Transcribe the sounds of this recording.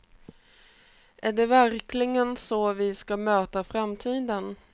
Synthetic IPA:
ʔæɖɛvæɾkʰlɪɡənsɔvɪskamøːt̪afɾamt̪ʰiːd̪ən

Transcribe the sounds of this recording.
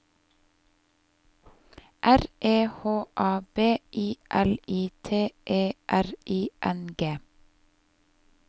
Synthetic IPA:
ʔæɾʔeːhoːʔɑːbeːʔiːʔɛliːt̪ʰeːʔeːʔæɾʔiːʔɛnɡeː

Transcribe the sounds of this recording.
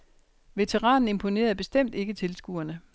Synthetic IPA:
ʋe̝t͡sʰeʁɑ̰̈ːnn̩e̝mpʰo̝ne̝̰ːɐðˠb̥e̝sd̥em̰d̥e̝ɡ̥ət͡sʰe̝lsɡ̥ṵɐnə

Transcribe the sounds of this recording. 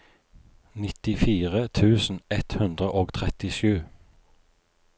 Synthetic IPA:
nɪt̪ɪfiːʁət̪ʰʉːsn̩ɛt̪hʉnd̪ʁəʔoːɡt̪ʰʁɛt̪ɪʃʉː

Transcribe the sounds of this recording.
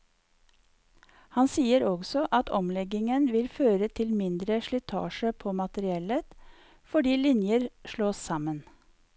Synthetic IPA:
hɑnsiːəɾɔɡsɔʔɑt̪ʰɔmlɛɡɪŋənʋɪlføːɾət̪ʰɪlmɪnd̪ɾəʃɭɪt̪ʰɑ̰ːʃəpʰoːmɑt̪əɾɪɛlət̪ | fɔɖiːlɪnjəɾʃɭoːssɑmən

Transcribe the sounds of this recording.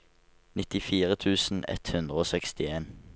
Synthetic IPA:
nɪt̪ɪfiːʁət̪ʰʉːsn̩ɛ̰t̪hʉnd̪ʁəoːsɛkst̪ɪeːn

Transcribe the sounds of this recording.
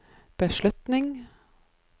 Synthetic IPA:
b̥əʃlʉt̪nɪŋ

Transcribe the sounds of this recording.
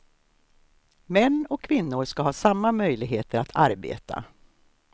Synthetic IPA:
mɛnːɔkʰːvɪnːʊɾʂkaɦɑːsamːamœjlɪɡɦeːt̪ʰəɾat̪ʰaɾbḛːt̪ʰa̰

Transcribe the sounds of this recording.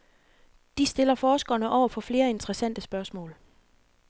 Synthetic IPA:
d̥isd̥e̝lɐfɒːsɡ̥ɐːnəʔɒʊ̰ɐpʰɒ̽fle̝ːɐe̝nt͡sʰəʁəsæn̰d̥əsb̥ɶɐsmɔ̰ːl

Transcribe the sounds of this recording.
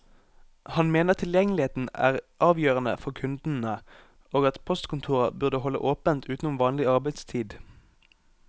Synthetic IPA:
hɑnmeːnəʁt̪ʰɪljɛŋlɪeːt̪n̩æ̰ːʁʔɑːʋjøːʁənə̰fɔʁkʰʉnd̪n̩ə | oːɡɑt̪pʰɔst̪kʊnt̪ʰuːʁəbʉʁd̪əhɔlə̰ʔoːpənt̪ʰʉːt̪n̩ʊʋɑːnlɪɑʁbæɪd̪st̪ʰiːd̪

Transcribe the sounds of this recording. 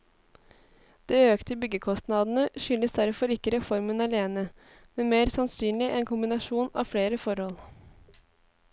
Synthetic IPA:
d̪̥eːøːkt̪əbʏɡəkʰɔst̪nɑd̪ən̩əʃʏnəsd̪æɾfɔɾɪkːəɾɛfɔɾmənɑleːnə | mɛnmeːɾsɑnsyːnlɪʔɛnkʰʊmbɪnɑʂuːnɑ̰ːʋfɽeːɾəfɔɾhɔl

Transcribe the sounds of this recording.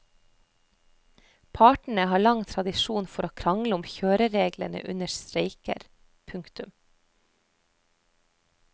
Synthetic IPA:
pʰɑːʈɳ̩əhɑːɭɑŋt̪ʰɾɑd̪ɪʃuːnfɔɾoːkʰɾɑŋləʊmçøːɾəɾeːɡlə̰nə̰ʔʉnəʃt̪ɾeɪkə̰ɾ | pʰʉŋkt̪ʉm

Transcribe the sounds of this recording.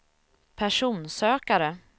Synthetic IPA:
pʰæʂuːnsøːkaɾə

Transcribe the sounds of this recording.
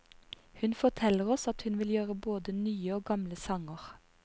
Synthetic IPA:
hʉnfɔʁt̪ʰɛləʁɔsɑt̪hʉnʋɪljøːʁəboːd̪ənyːəoːɡɑmləsɑŋəʁ

